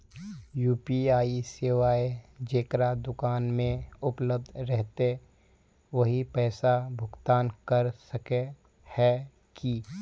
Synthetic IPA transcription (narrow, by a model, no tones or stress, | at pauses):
juːpiaːiseːʋaːed͡ʒeːkɾad̪ʊkaːnmẽʊpləb̚d̪ɾɛɦt̪e | ʋɐɦipɛːsabʱʊɡt̪aːnkɐɾsəke | hɛ | ki